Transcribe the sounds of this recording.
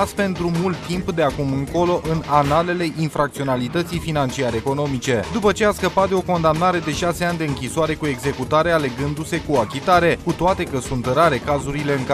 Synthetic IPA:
spe̞nt̪ɾumult̪ːimpd̪e̞akumɨŋko̞lo̞ʔɨnanale̞le̞ʔinfɾak̚t̪sio̞nalit̪ət̪sijfinant͡ʃiaɾeeko̞no̞mit͡ʃe̞d̪upət͡ʃe̞askəpat̪̚d̪e̞o̞ko̞nd̪amnaɾe̞d̪e̞ʃase̞anʲd̪e̞ɨŋkʲissoaɾe̞kue̞ɡze̞kut̪aɾe̞ale̞ɡɨnd̪use̞kuakʲit̪aɾe̞kut̪oat̪e̞kəsunt̪ɾaɾe̞kazuɾile̞ɨŋk

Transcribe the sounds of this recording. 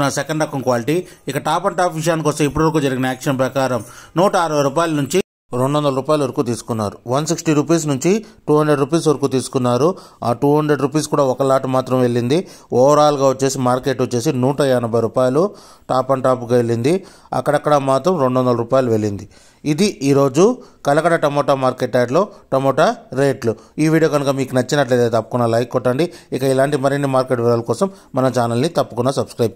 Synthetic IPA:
nɐsɛkɐɳɖɐkːɐmkʋaːliʈiikːɐʈaːpɐɳʈaːpʋiʂ̬jaːnikɔst̪ɐmipːuɽʋɐɾkuːd͡ʒɐɾiɡinɐjaːkʂɐɐmpɾɐkaːɾɐmnuːʈɐɐːɾɐʋɐjɾuːpaːjɐlɐnuɲt͡ʃi | ɾo̞ɳɖuʋɐnd̪ɐlɐɾuːpaːjluʋɐɾkuːt̪iːsu̥kunːaːɾuʋɐnsiksʈiɾupiːs̬nuɲt͡ʃiʈuːɦɐɳɖɾe̞ɖɾup̬iːs̬ʋɐɾɐkuːt̪iːsu̥kunːaːɾuaːʈuːɦɐɳɖɾeɖɾup̬iːskuːɽaːɔkɐlaːʈumaːt̪ɾɐmʋe̞ɭːind̪iɔːɐɾaːluɡaːʋot͡ʃːe̞ːsimaːɾke̞ːʈot͡ʃːe̞ːsinuːʈɐjɛjɐnɐbʱɐjɾuːpaːjɐlu | ʈaːpɐɳʈaːp̬ukaʋeɭːind̪i | ɐ̰kːɐɽɐkːɐɽɐmaːt̪ɾɐmɾe̞ɳɖʋɔnd̪ɐlɐɾuːpaːjɐluʋe̞ɭːind̪i | id̪iʔiːɾo̞ːd͡ʒukɐlɐkɐɽɐʈɐmoːʈamaːɾkeːʈːaːʈlo̞ːʈɐmɔːʈaɾeːʈluiːʋiːɽijoːɡɐnukɐmiːkunɐt͡ʃːinɐʈleːd̪eːt̪ɐpːɐ̥kunːalɐjkːɔʈːɐɳɖiikɐilaːɳʈimɐɾinːimaːɾkeʈʋɛɭaːlɐkɔːsɐmːɐnɐt͡ʃaːnɐlnit̪ɐpːɐkunːasɐbskɾɐjp̚

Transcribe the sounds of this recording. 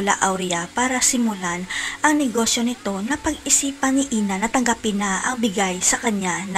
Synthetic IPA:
la̰ʔawɾiapaːɾɐsɪmʊlanʔɐŋnɛɡo̞ːsjo̞nɪt̪o̞nɐpɐɡɪsiːpɐnɪʔiːnɐnɐt̪ɐŋɡɐpɪnaʔɐŋbɪɡajsɐkɐɲan

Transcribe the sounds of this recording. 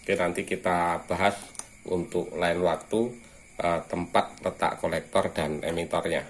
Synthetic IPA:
kinant̪ikit̪ab̥a̤ɦas | ʔṵnt̪ʊʔlaɪnwak̚t̪u | ʔət̪əmpat̪̚lət̪a̰ʔkolɛk̚t̪ɔrd̥anḛmit̪ɔrɲa

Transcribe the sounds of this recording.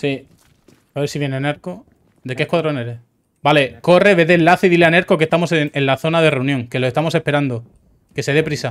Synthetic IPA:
si | aβeɾsiβjeneneɾko | d̪e̞kehkwaðɾoneɾe | bale̞ko̞re̞βeðenlaθeðileaneɾko̞ke̞st̪amo̞seŋenlaθo̞naðe̞reunjõŋkeloest̪amo̞se̞hpe̞ɾand̪o | ke̞se̞ðe̞pɾisa

